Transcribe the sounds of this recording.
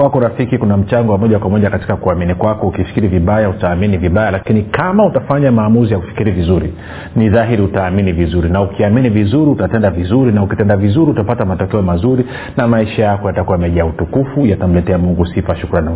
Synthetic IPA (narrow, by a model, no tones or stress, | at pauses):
kwakɔɾafikikunam̩t͡ʃaŋɡɔwamɔʄakwamɔʄakati̥kakuaminikwakɔukifi̥kiɾiviɓajautaːminiviɓajalakinikamautafaɲamaːmuzijaku̥fi̥kiɾivizuɾḭ | niðaɦiɾiutaːminivizuɾinaukiaminivizuɾiutatɛndavizuɾinaukitɛndavizuɾiutapatamatukiɔmazuɾi | namaiʃajakɔjatakuwamɛʄautukufujatam̩lɛtɛamuŋɡusifaʃukɾanːa